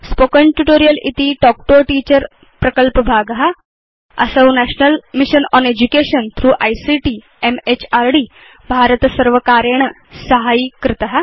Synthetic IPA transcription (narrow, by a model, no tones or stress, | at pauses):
spokənʈuʈoːɾijəlḭt̪iʈɔk̚ʈoʈiːt͡ɕəɾ | pɾɐkəlpəbʱaːɡɦa | ɐ̰səwnæɕnəlmiɕənɔːned͡ʑukeɕənt̪ʰɾuːʔajsiʈiː | emet͡ɕaɾɖiː | bʱaɾət̪səɾʋəkaːɾjeɳə | sɐɦaikɾɪt̪əɦa